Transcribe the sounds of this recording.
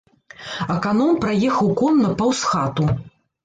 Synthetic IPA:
ɐkanɔmpɾajɛxɐwkɔnːɐpɐwsxat̪u

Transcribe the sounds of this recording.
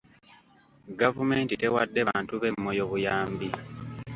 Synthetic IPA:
ɡavume̞ːntite̞wadːe̞βaːntuβe̞mːo̞jo̞βujaːmbi

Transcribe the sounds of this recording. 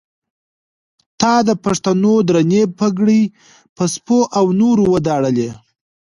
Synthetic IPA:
t̪ɑd̪əpaʂt̪anod̪ɾanebpəɡɽij | pəspoʔawnoɾowəd̪ɑɽəle

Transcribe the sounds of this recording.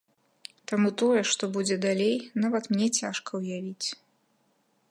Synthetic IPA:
t̪amut̪ɔjɛʂt̪ɔbud͡zʲɛd̪alʲejnavɐt̪mnʲɛt͡sʲaʂkɐwjavʲit͡sʲ

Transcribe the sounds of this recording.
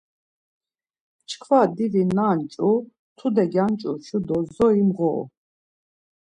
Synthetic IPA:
t͡ʃʰkʰvad̪ivinaːnt͡ʃʼu | t̪ʰud̪ɛɡant͡ʃʼuʃud̪ɔzɔimʁɔ̰ː

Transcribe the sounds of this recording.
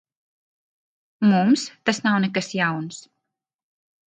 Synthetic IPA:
mumst̪asnawnɛkəsjawns

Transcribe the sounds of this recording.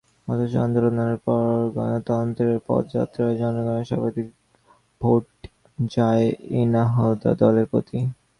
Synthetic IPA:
ɔt̪oʃa̰nd̪oɾonaneɾpɔɡɔnot̪ɔd̪nt̪ɾeɾpɔ̰t̪d͡ʑa̰t̪ːɾaed͡ʑɔnoɡɔneɾʃa̰bad̪ik | b̥ʱoʈ | d͡ʑaeenaɦod̪a̰d̪ɔleɾpɾot̪i

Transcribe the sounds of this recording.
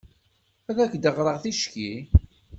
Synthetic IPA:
æðækd̪əʁɾˤəʁθiʃki

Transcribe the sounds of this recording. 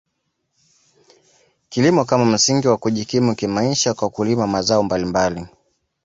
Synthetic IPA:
kilimɔkamam̩siŋɡiwakuʄikimukimaiʃakwakulimamazaɔmbalimbali

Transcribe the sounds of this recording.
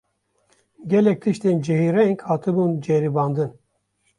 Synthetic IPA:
ɡʲɛlɛk̚t̪ʰɨʃt̪eːnd͡ʒɛhiːɾɛjeŋkhɑːt̪ʰɨbuːnd͡ʒɛɾibɑːnd̪ɨn

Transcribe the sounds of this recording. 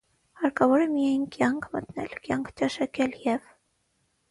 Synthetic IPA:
ɑɾkɑvɔɾəmijɛjnkʲjɑŋkʰmət̪nɛ̰lkʲjɑŋkʰt͡ʃɑʃɑkʲɛljɛv

